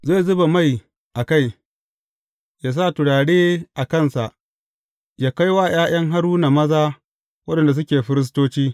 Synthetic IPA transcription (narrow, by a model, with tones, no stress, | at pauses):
zeː˦˨zʊ˦ba˨ma˦˨j | ʔa˨ka˦˨j | jaː˦s̬aː˦˨tʊ˨ɽaː˨ɽeː˦ʔa˨kɐ˦˨nsa˨ʔ | jaː˦ka˦jwaː˦j̰aː˦j̰ɐ˦ŋɦa˦ɽuː˦na˨mɐ˦zaː˦ | wɐ˦ɗɐ˨nda˨s̬ʊ˦kʲeː˨ɸɪ˦ɾɪ˦s̬toː˦t͡ʃiː˦